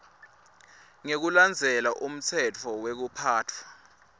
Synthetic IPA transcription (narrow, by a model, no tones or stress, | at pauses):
ŋek̬uland͡zʱɛlaʔum̩t͡sʰɛt͡fʰɔwek̬upʰaːtʰwa